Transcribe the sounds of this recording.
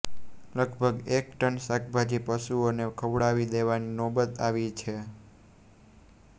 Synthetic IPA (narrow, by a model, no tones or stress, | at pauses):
ləɡbʱəɡek̚ʈənsak̚ʰbʱad͡ʒipəʃuonekʰəʋɽaʋid̪eʋaninɔbət̪aʋit͡ʃʰe